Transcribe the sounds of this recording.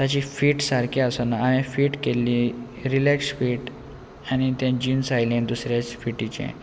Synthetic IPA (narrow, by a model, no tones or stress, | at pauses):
t̪at͡ɕiːfiːʈsaɾkʰeəsonaaɦɛ̃fiːʈkelːiː | ɾilɛksfiːʈ | añit̪jãd͡ʑinsajlẽnd̪usɾjat͡sfiʈit͡ɕḛ̃